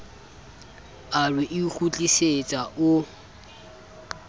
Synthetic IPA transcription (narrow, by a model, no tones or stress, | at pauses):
arwɪʔɪk͡xut͡ɬʼiset͡sʼaʔʊ